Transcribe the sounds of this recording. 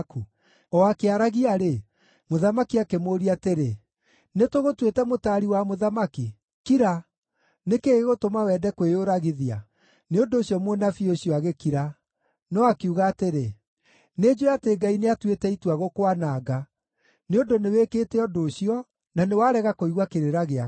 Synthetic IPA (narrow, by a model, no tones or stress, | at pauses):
ku | ɔakeaɾaɣiaɾe | moðamakiakemoːɾiateɾe | netoɣotwetɛmotaɾiwamoðamaki | kiɾa | nekeɣeɣotomawɛdɛkweoɾaɣiðia̰ | neondoːɕjɔmwenafioɕiɔaɣekiɾa | nɔakiuɣaːteɾe | ned͡ʑoateɡaineatwetɛitwaɣokowanaːɡa | neondonewekeːtɛɔdoːɕiɔ | nanewaːɾɛɣakoiɣwakeɾeɾaɣea